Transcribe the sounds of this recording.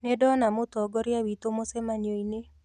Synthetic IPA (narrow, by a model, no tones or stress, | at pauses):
nedɔnamʊt̪ɔɡɔɾjawit̪omosɛmaɲjoine